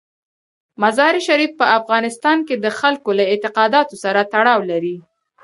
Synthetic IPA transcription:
mazɑɾiʃaɾifpəafɣɑnɪst̪ɑnked̪əxalkolaɪt̪ɪqɑd̪ɑt̪osaɾat̪aɽɑwlaɾi

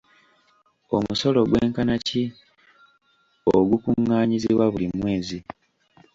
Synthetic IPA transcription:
o̞muso̞lo̞ɡwe̞ːŋkanaci | oɡukuŋːaːɲiziβwaβulimwe̞ːzi

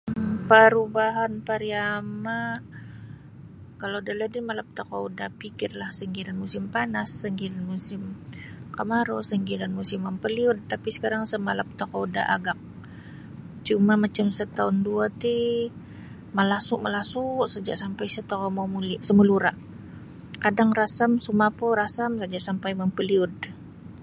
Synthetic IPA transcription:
pəɾubaɦanpaɾiama | kalodaladɪmalap̚t̪akaudapikɪrlahsəŋɡiɾanmusɪmpanasːəŋɡiɾanmusɪmkamaɾosəŋɡiɾanmusɪmampəliʊnt̪apisə̥kaɾaŋsəmalap̚t̪akouda̰ʔa̰ɡak̚ | t͡ʃumamat͡ʃamsət̪aʊnduat̪i | məlasʊʔməlasʊʔsəd͡ʒaʔsampajsət̪okomamulsəmuluɾaʔ | kadaŋrasamsumapɔɾasamsad͡ʒaʔsampajməmpəliʊd

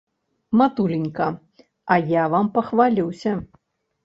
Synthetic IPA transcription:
mat̪ulʲinʲkɐ | ɐjavampɐxvalʲiwsʲɐ

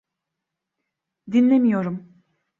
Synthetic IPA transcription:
d̪inlʲemijo̞ɾum

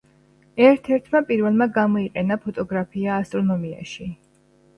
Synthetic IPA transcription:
ɛɾt̪ʰɛɾt̪ʰmapʼiɾvɛlˠmaɡamɔiqʼɛnapʰɔt̪ʼɔɡɾapʰiaːst̪ʼɾɔnɔmia̰ʃi

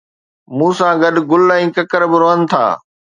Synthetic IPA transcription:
mũːsãːɡɐɗɡʊlɛ̃ːkɐkəɾbɪɾoːɦənɪ̆t̪ʰa̰ː

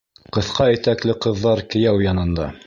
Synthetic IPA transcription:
qɤ̆θqɑĭt̪æklɘqɤ̆ðːɑɾkɘ̆jæwjɑnɤ̆nd̪ɑ

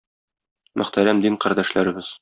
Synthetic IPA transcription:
mʔɵ̰̆χt̪æɾæmd̪iɴqæɾd̪æʃlæɾɘ̆bɘz̥

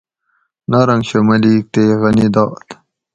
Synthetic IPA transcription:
naɾɐŋɡɕomɐlik̚t̪eɣɐnid̪ɑːt̪

